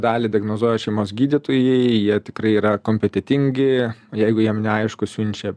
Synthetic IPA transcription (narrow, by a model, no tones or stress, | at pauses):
d̪ɑːlʲɪd̪ʲɪɐɡnoːzuɔjɛʃʲɛɪmoːsɡʲiːd̪ʲɪt̪oːjɛɪjiɛt̪ʲɪkɾɐɪiːɾɐkoːmʲpʲɛt̪ʲɛt̪ʲɪŋʲɡʲɪjɛɪɡʊjiɛmnʲɛɐɪʃkʊsʲʊnʲt͡ʃʲɛ